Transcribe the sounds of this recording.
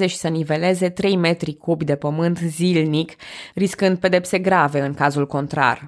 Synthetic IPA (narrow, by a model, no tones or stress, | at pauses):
ze̞ʃi̥sənive̞le̞ze̞t̪ɾe̞jme̞t̪ɾikobjd̪e̞pəmɨnt̪zilnikriskɨnd̪̚pe̞d̪e̞pse̞ɡɾave̞ɨŋkazulko̞nt̪ɾa̰r